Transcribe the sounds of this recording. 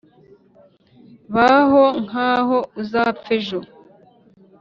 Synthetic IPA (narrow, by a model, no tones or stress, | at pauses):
βaɦoŋaːhouzaːpfeʒo